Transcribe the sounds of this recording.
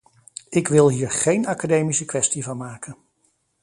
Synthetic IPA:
ɪkʋɪlˠɦiːɹχejnakadejmisəkʋɛstivɑnmaːkən

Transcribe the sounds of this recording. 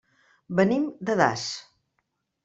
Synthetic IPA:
bənimd̪əða̰s

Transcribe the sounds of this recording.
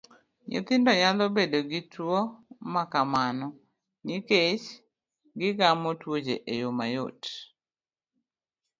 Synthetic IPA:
ɲo̰t̪ɪndɔɲalɔbedoɡitwɔmakamanɔ | niket͡ʃ | ɡɪɡamɔtwod͡ʒeʔejomajo̰t

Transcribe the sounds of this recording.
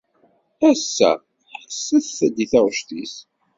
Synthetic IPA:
æsːæ̰ | ħħsːæθθæd̪iθæʁʃt̪is

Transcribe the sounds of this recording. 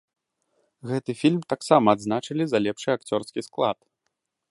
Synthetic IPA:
ɣɛt̪ɨfʲilʲmt̪aksamɐːd̪znat͡ʂɨlʲizɐlʲɛpʂɨakt͡sʲɔrskʲisklˠat̪

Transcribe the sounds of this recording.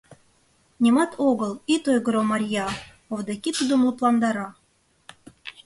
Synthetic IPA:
nʲemɑt̪ʰoɣəlˠit̪ojɣəɾomɑɾʲjɑ | ovd̪ɑkʲit̪ud̪ŏmlˠuplˠɑnd̪ɑɾɑ

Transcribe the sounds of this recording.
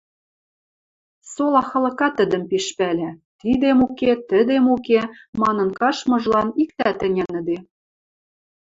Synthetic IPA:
solɑxɤ̆lɤ̆kɑt̪ə̆d̪ə̆mpiʃpælʲæt̪id̪emuket̪əd̪emukemɑnɤ̆nkɑʃmɤ̆ʒlɑnik̚t̪æt̪ɘ̆nʲæ̆nə̆d̪e

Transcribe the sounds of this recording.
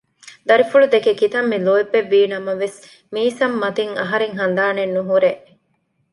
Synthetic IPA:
d̪ɐɾifuɭud̪ekekit̪ɐmːiloebːeʋːiːnɐmɐʋes | miːsɐmːɐt̪iŋɐɦɐɾeŋɦɐn̆d̪aːnenːuɦuɾeʔ

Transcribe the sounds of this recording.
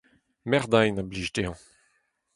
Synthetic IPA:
mɛʁd̪ajnabliːʒdeɑ̃

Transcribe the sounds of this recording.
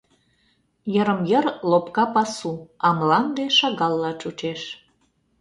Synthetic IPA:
jəɾəmjərlopkɑpɑsuɑmlɑnd̪eʃɑɣɑlˠːɑt͡ʃut͡ʃeʃ

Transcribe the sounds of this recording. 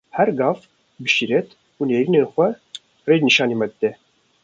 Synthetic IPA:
hɛɾɡɑːf | bɨʃiɾɛt̪ʰ | uːneːɾiːnenxʷɛ | reːd͡ʒniʃɑːniːmɛd̪ɨt̪ɛ

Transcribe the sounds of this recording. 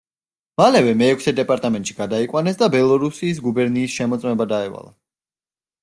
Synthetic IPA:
malɛvɛmɛːkʷʰsɛd̪ɛpʼaɾt̪ʼamɛnt̪ʼʃiɡ̥ad̪aikʼwanɛsd̪abɛlˠɔɾusiːs̬ɡubɛɾniːsʃɛmɔt̪sʼmɛbad̪aɛva̰lˠa

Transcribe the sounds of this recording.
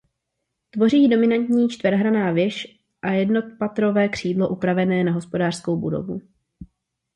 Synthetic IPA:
t̪vo̞riːdo̞mɪnant̪ɲiːt͡ʃt̪vɛɾɦɾanaːvjɛʃ | ʔajɛdno̞t̪̚pat̪ɾo̞vɛːkr̝̥iːdlo̞ʔupɾavɛnɛːnaɦo̞spo̞daːr̥sko̞wbudo̰vṵ

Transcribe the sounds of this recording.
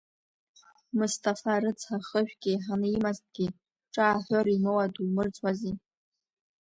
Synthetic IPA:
mustʰʼafarɨt͡sʰħaχəʒᶣɡʲiħanɨimazt̚ʼɡ̥ʲi | ʈ͡ʂʼaːħʷoɾimɨwadumɨrt͡sʰʼwazi

